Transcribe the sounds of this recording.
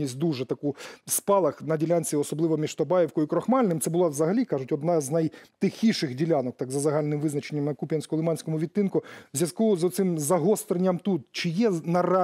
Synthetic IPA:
isʲt̚ʲd̪uʐɛt̪ɐkuspɑlˠɐxnɐdʲilʲanʲt͡sʲiɔsɔblˠɪʋɔmʲiʃt̪ɔbɑjɛwkɔjikɾɔxmɑlʲnɪmt̪sɛbʊlˠɑzɐɦɐlʲikɑʒʊtʲɔd̪naznɐjt̪ɪxʲiʃɪxdʲilʲanɔk̚t̪ɑɡzɐzɐɦɑlʲnɪmʋɪznɐt͡ʃenʲːɐmnɐkupʲjɐnsʲkɔlˠɪmɑnʲsʲkɔmʊʋʲit̪ːɪnkʊwzʲjɐskuzɔt̪sɪmzɐɦɔst̪ɾenʲːɐmt̪ut̪̚t͡ʃɪjɛnɐrɑ

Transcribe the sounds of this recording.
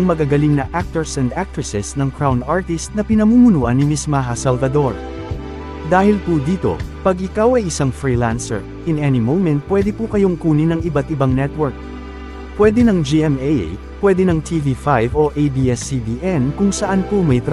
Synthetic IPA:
ŋmɐɡaɡɐliŋnɐʔak̚t̪ɛɹsɛnd̪ak̚t̪ɹɪsɛsnɐŋkɹawnd̪aɹt̪ist̪̚nɐpɪnɐmuːmʊnuːʔɐnːɪmɪsmaɦɐsɐlvɐd̪o̞ɹ | d̪aːhɪlpud̪iːt̪o̞̰pɐɡʔɪkawɐjɪsaŋfɹiːlansɛ̰ɹ | ʔɪnɛnimowmɛnt̪̚pːwɛd̪ɛpukɐjoŋkuːnɪnɐŋɪbat̪ʔɪbaŋnɛt̪wɛɹk̚ | pwɛd̪ɛnɐŋd͡ʒiʔɛmej̰ | pwɛd̪ɛnɐŋt̪ʰivifajvoʔejbiʔɛsiviʔɛnkʊŋsɐʔanpumɐjt̪ɾ

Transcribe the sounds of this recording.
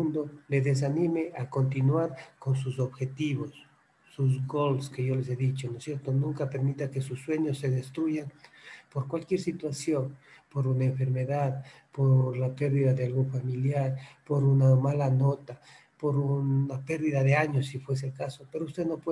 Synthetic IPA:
und̪oleðes̬animeʔako̞nt̪̬inwaɾko̞ns̬us̬o̞βxe̞t̪iβosː | uz̬ɣolske̞ʝo̞le̞s̬e̞ðit͡ʃonosjeɾt̪onũŋkape̞ɾmit̪akesusːwe̞ɲosːe̞ðest̪ɾuʝanpo̞ɾkwalkje̞ɾsit̪wasjo̞npo̞ɾunaeɱfe̞ɾme̞ðað | poɾlape̞ɾðiðaðealɣufamiljaɾpo̞ɾunamalano̞t̪a | po̞ɾunape̞ɾðiðaðeaɲo̞sːifwes̬elkasope̞ɾoust̪eðno̞pwe

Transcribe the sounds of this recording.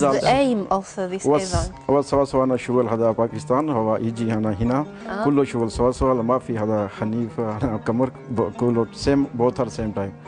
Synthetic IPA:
zaːlemɔlsoðisʋa | ʋasɐʋasɐʋaːnaʃuɡəlɦɐd̪aːpaːkist̪aːnɦoʋaʔid͡ʒiɦanaɦina | kulːoʃuɡəlsɐʋasɐʋaːlmaːfiɦɐd̪ahɐniːfɐnakɐməɾ | kuloseːmboːt̪ʰhɐɾseːmʈaːjm

